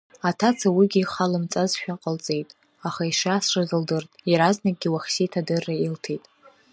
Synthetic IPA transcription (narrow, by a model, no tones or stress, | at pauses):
atʰat͡sʰawiɡʲiːχalɨmt͡sʼazʃᶣaqʼəlt͡sʼe̞jtʼ | aχaiʂasʂazɨldɨrtʼjaɾaznak̚ʼɡʲiwaχʲsitʰadɨrːailtʰejtʼ